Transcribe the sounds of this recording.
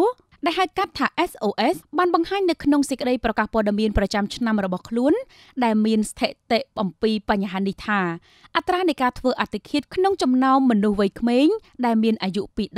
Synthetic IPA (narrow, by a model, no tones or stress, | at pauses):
ɗaɛɦaət̪̚kat̪ʰːaːʔɛsʔoːʔɛsɓaːnɓɑŋhaːɲnɨwkʰnoŋsəc̚kə̆ɗəjprɑkaːhpɔəɗamiənprɑt͡ɕamt͡ɕʰnamrɔɓɑhkʰluən | ɗaɛlmiənst̪ʰeʔt̪eʔʔɑmpiːpaɲːaɦaːniht̪ʰaː | ʔat̪raːnɨjkaːt̪ʰʋəːʔat̪ʰːekʰiət̪̚kʰnoŋt͡ɕɑmnaɔmːɔnuhʋəjkʰmeːɲ | ɗaɛlmiənʔajuʔpiːɗ